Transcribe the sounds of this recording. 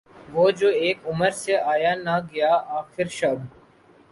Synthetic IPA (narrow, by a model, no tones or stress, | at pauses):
ʋoːd͡ʒoːeːkʊməɾseaːjaːnaɡɐjaːaːxɪɾʃɐb